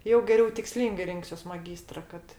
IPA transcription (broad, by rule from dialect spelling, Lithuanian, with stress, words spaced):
jɛʊ ɡʲɛˈrʲɛʊ tʲɪkˈsʲlʲiːŋɡɐɪ ˈrʲɪŋksʲuɔs mɐˈɡʲiːstrɐ kɐt